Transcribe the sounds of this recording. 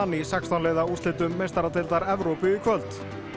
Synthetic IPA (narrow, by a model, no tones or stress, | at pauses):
anːisakst̪anɛːɣðaust̪lɪt̪ʏmːejst̪aɾat̪ɪlt̪aɾɛvɾowpɪːkʰvœlt̪